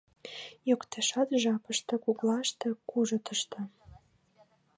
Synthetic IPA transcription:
jokt̪ʰeʃɑt̪ʒɑpəʃt̪ɤ̆kuɣlɑʃt̪ĕkuʒə̆t̪ə̆ʃt̪ɤ̆

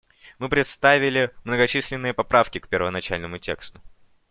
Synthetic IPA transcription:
mɨpɾʲɪt̪st̪avʲɪlʲɪmnəɡɐt͡ɕisʲlʲɪnːɨjəpɐpɾafkʲɪkpʲɪrvənɐt͡ɕæ̰lʲnəmʊtʲe̞̰kst̪ʊ̥

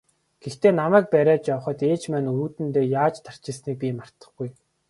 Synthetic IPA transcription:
ɡ̥ext̪eːnamæːk̚pæɾʲaːt͡ɕjawχə̆t̪eːt͡ɕmæːnuːt̪ɘ̆nt̪eːjaːt͡ɕt̪ʰar̥t͡ɕɪ̆sniːk̚pʲiːmar̥t̪ə̆χɡuj

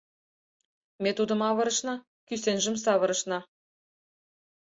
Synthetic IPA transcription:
mʲet̪ud̪ɤ̆mɑβɤ̆ɾɤ̆ʃnɑ | kysenʒɘ̆msɑβɤ̆ɾɤ̆ʃnɑ

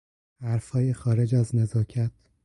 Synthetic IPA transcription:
hæɾfhɒːjexɒːɾed͡ʒæznezɒːcʰæt̪̚ʰ

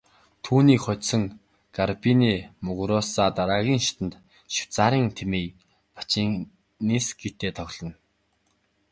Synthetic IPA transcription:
t̪ʰuːniːkχɔt̪sɞ̆ŋ | ɡ̥arpiniːmɵɣɾɔsaːt̪aɾaːɣʲiːŋʃi̥t̪ə̆nt̪ | ʃi̥w̥t͡saːɾiːŋt̪ʰemeː | pḁt͡ɕiːŋ | nisɡit̪eːt̪ʰɔɣʲɮ̥ɞ̆n

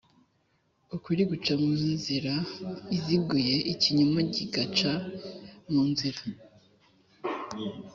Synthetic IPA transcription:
ukwiɾiɡut͡ʃamuːninziɾaizibɡuje̞ʔiciɲumoɟiɡat͡ʃa | muːnziɾa

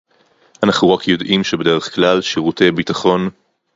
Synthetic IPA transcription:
anaχnuʁakjo̞dʔimʃebede̞ʁeχklalʃiʁutejbitaχo̞n

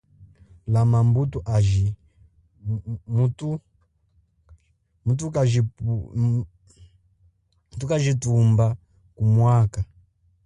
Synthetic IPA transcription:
lamambutuʔaʒi | mutu | mutukaʒi | tukaʒitumba | kumwaka

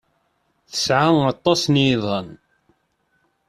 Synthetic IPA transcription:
θə̥sʕawɑt̪ˤːɑsnðˤən

